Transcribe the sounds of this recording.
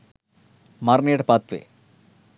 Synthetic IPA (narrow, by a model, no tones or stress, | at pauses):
maɾneːɽpat̪ʋḛ